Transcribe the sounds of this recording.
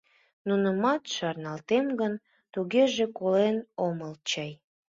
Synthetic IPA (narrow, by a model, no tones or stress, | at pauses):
nunəmɑt̪ʃɑrnɑlt̪emɡən | t̪uɣeʒekolenoməlt͡ɕɑj